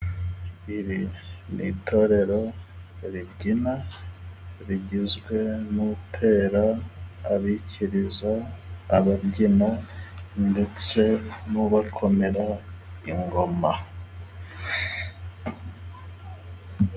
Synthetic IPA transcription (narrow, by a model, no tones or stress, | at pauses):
iɾinitʰo̞ɾe̞ɾo̞ɾibɟina | ɾiɟizɡwe̞nutʰe̞ːɾaː | βicʰiɾizaːβabɟinande̞t͡se̞nuβakʰo̞me̞ɾaiŋɡo̞ma